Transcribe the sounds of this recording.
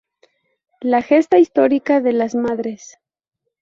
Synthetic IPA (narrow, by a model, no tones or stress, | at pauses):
laxe̞st̪aist̪o̞ɾikaðe̞lazmaðɾe̞s